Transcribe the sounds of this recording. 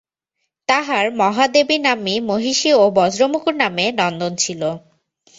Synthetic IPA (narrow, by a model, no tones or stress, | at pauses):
t̪aɦaɾmɔɦad̪ebinamimoɦiʃiobɔd͡ʑɾomukuɾnamenɔnd̪ont͡ɕʰilo